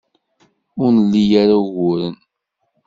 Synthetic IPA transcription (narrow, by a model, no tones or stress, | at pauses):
ʊɾnəlːijaɾaɣʊɾən